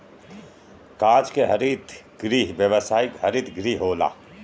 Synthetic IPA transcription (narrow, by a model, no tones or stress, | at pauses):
kaːd͡ʒkeɦɐɾit̪ʰ | ɡɾiːɦʋjəʋəsaːɪkɦɐɾit̪ʰɡɾiːɦɦoːla̰ː